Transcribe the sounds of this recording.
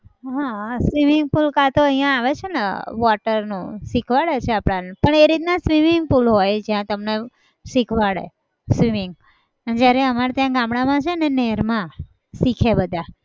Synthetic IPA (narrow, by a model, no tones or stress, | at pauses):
ɦãsʋimiŋɡ̚pulkat̪oəɦijãːʋet͡ʃʰenḛʋɔʈəɾnṵ̃sikʰʋaɭet͡ʃʰeapɽanpəɳeɾit̪̚nasʋimiŋɡ̚pulɦojd͡ʒjãt̪əmne | sikʰʋaɭḛ | sʋimɪŋɡ | d͡ʒjaɾeəmaɾat̪jãɡãmɽamãt͡ʃʰeneneɾmã | sikʰebəd̪ʱa